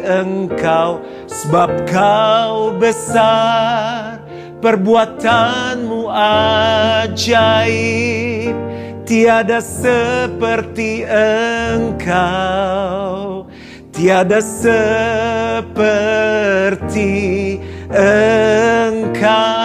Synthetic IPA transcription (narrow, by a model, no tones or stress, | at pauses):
əŋkaw | səbap̚kawbəsa | r | pərbuat̪anmua | d͡ʒai | t̪iadasəpərt̪iəŋkʰa | w | t̪iadasə | pə | rt̪i | ə | ŋkʰa